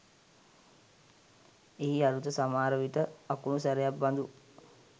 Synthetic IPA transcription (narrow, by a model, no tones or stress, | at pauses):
eɦiaɾut̪əsamaːɾəʋiʈəakunusaɾejabband̪u